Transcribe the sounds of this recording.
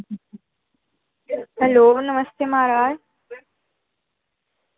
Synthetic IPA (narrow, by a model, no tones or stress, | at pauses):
hɛloːnəməst̪emaːɾaːj